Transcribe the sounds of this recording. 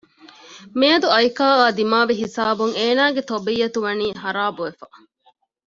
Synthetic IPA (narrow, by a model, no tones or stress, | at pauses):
meːɐd̪uɐjkaːaːd̪imaːʋiɦisaːbuŋeːnaːɡet̪obijːɐt̪uʋɐniːhɐɾaːbuʋefɐ